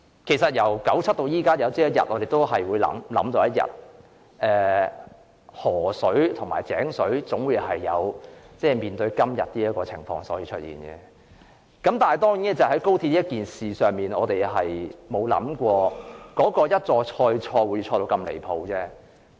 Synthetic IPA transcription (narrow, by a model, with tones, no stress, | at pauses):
kʰe˨˩jsɐ˨t̚jɐ˨˩wkɐ˨˥wt͡sʰɐ˥t̚t̪o˧wjiː˥kaː˥jɐ˨˧wt͡siː˥jɐ˥t̚jɐ̰˨t̚ʔɔː˨˧ɾe˨jt̪o˥wɦɐ˨jwuː˨˧jlɐ̰˨˥mlɐ˨˥mt̪o˧wjɐ˥t̚jɐ̰˨t̚ | ɛː˨˩ | hɔː˨˩sɵ˨˥ɥt̪ʰʊ˨˩ŋmaː˨˩jt͡sɛ̰ː˨˥ŋsɵ˨˥ɥt͡sʊ˨˥ŋwiː˨˧˥ɦɐ˨jːɐ˨˧wt͡sɛː˥˩miː˨nt̪ɵ˧ɥkɐ˥mjɐ̰˨t̪̚ːiː˥jɐ˥t̚kɔː˧t͡sʰɪ̰˨˩ŋfɔː˧ŋsɔ̰ː˨˥jiː˧t͡ʃʰɵ˥t̚jḭː˨˩nɡɛ̰˧ | kɐ˨˥mt̪aː˨nhɐ˨˩jt̪ɔː˥ŋjiː˨˥nɛ˥t͡sɐ˨˩ɦɐ˨˥jko˥wt̪ʰi˧t̚i˥jɐ˥t̚kiː˨nsiː˨˩sœː˨ŋmiː˨nɔː˨˧t̪e˨jɦɐ˨jmo˨˧wlɐ̰˨˥mkʷɔː˧kɔː˨˥kɔː˧jɐ˥t̚t͡sɔː˧t͡ʃʰɔː˧jt͡ʃʰɔː˧wuː˨˧jt͡ʃʰɔː˧t̪o˧wkɐ˧mlḛ˨˩jpʰo˧wt͡sɛː˥